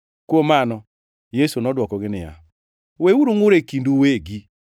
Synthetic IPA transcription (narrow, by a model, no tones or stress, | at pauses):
kwomanɔ | jesunɔdwɔkɔɡɪnɪja̰ | wewuɾuŋʊɾekinduweɡi